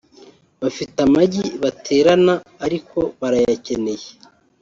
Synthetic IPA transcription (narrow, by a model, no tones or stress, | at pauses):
βafitamaɟiβatʰe̞ːɾanaːɾikʰo̞βaɾajace̞ne̞je